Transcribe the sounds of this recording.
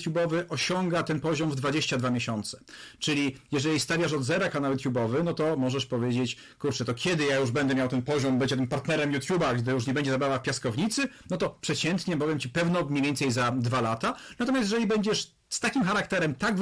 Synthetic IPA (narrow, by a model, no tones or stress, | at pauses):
t̪ʲjubɔvɘʔɔɕɔŋɡat̪ɛnpɔʑɔmvd̪vad͡ʑeɕt͡ɕad̪vamʲjeɕɔnt̪sɛ̥t͡ʂɘlʲijɛʐɛlʲist̪avʲjaʂɔd̪zɛɾakanawjut̪ʲjubɔvɘnɔt̪ɔmɔʐɛʂpɔvʲjed͡ʑet͡ɕ | kuɾt͡ʂɛt̪ɔkʲɛd̪ɘjajuʐbɛnd̪ɛmʲjawt̪ɛnpɔʑɔmbɛɲd͡ʑɛt̪ɘmpaɾt̪nɛɾɛmjut̪ʲjubaɡd̪ɘjuʂ̬ɲɛbɛɲd͡ʑɛzabavafpʲjaskɔvɲit̪sɘnɔt̪ɔpʂɛt͡ɕɛnt̪ɲɛbɔvjɛmt͡ɕipɛvnɔmɲejvʲɛnt̪sɛjzad̪valat̪anat̪ɔmʲjasʲjɛʐɛlʲibɛɲd͡ʑɛʂ | st̪akʲimxaɾak̚t̪ɛɾɛmt̪aɡ